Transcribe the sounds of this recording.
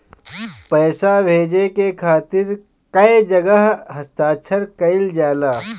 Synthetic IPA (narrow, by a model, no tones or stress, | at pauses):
pɛːsabʱeːd͡ʒekekʰaːt̪ɪɾ | kɐed͡ʒɐɡəɦɦɐst̪aːt͡ʃʰəɾkɐɪld͡ʒaːlaː